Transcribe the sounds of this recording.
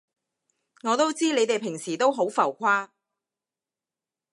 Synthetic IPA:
ŋɔː˨˧t̪o˥wt͡siː˥ne˨˧jt̪e˨jpʰɪ˨˩ŋsiː˨˩t̪o˥wɦo˨˥wfɐ˨˩wkʷʰaː˥

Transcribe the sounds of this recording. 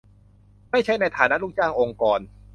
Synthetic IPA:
maː˥˩jt͡ɕʰa˦˥jna˧jt̪ʰaː˩˦na˦˥ʔluː˥˩k̚t͡ɕaː˥˩ŋʔo˧ŋkɔː˧n

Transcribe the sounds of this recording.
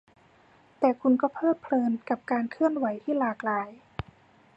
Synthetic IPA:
t̪ɛː˨˩kʰu˧nkɔː˥˩pʰɤː˥˩t̪̚pʰlɤː˧nka˨˩p̚kaː˧nkʰɯ˥˩ənwa˩˦jt̪ʰiː˥˩laː˨˧˩k̚laː˨˧˦j

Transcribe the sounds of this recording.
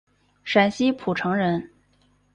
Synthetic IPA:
ʂa˨˩nɕi˥pʰu˨˩ʈ͡ʂʰɤ˧˥ŋɻə˧˥n

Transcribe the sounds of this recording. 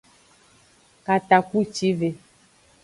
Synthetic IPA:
ka˨t̪a˨ku˦t͡ʃi˦ve˨

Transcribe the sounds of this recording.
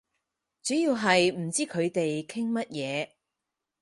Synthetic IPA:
t͡sy˨˥ji˧wɦɐ˨jm̩˨˩t͡siː˥kʰɵ˨˧ɥt̪e˨jkʰɪ˥ŋmɐ˥t̚jɛː˨˧

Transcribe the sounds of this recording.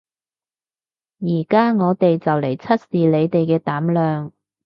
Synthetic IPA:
jiː˨˩kaː˥ŋɔː˨˧t̪e˨jt͡sɐ˨wle˨˩jt͡sʰɐ˥t̚siː˨le˨˧jt̪e˨jkɛː˧t̪aː˨˥mlœː˨ŋ

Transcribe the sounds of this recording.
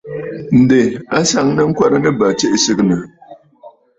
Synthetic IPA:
n̩˨dɨ˨a˦sa˨ŋnɨ˦ŋ̩˦ka˦ɾɨ˦nɨ˦ba˨t͡ʃɛ˦ʔsɨ˦ɡɨ˦nɨ˨

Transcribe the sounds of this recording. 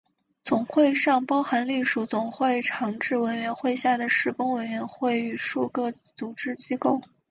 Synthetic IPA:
t͡sʊ˨˩ŋxwe˥˧ɪʂɑ˥˩˧ŋpɑ˥ʊxa˧˥nli˥˩ʂu˧˥t͡sʊ˨˩ŋxwe˥˩ɪʈ͡ʂʰɑ˧˥ŋʈ͡ʂɻ̩˥˩wə˧˥nɥɛ˧˥nxwe˥˧ɪɕja˥˩d̪ə˩ʂɻ̩˥˩kʊ˥ŋwə˧˩nɥɛ˧˥nxwe˥˩ɪy˨˩ʂu˥˧kɤ˥˩ | t͡su˨˩ʈ͡ʂɻ̩˥˧t͡ɕi˥ko˥˩ʊ

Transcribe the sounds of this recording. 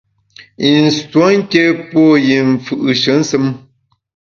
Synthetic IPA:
i˨n̩˨swo˦ŋ̩˦ke˦po˦˨ji˨ɱ˨fɯ˨ʔɨ˨ʃə˨˦n̩˦sɨ˦m

